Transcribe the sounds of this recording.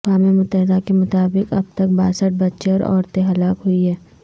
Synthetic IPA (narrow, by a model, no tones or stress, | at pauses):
kwaːmemʊt̪ːəɦɪd̪akemʊt̪aːbɪkɐ̰b̚t̪ɐk̚baːsəʈ̚bɐtːʃeɔːɾɔ̰ːɾt̪ẽɦɐlaːkɦʊiɦɛː